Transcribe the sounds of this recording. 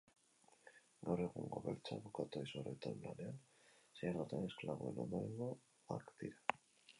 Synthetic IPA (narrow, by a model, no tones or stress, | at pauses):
nʔoɾeɣuŋɡoβelt͡ʃaβukat̪oisoɾet̪omla̰neal | searot̪anesklaβoenomoniŋo | a̰kt̪iɾa